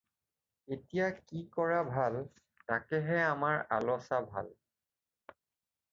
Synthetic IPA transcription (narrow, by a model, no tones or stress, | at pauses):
etijakikɔɹabʱal | takɛɦɛamaɹa̰lɔsabʱa̰l